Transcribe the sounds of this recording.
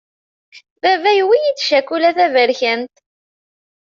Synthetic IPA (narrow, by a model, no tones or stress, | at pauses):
vævæjwijit͡sːʃækːulæθævəɾçənt̪